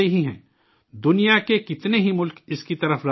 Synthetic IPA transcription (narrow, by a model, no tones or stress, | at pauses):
iɦiɦɛ̰̃ː | d̪ʊnijakekɪt̪neɦimʊlkɪskit̪ɐɾəfɾa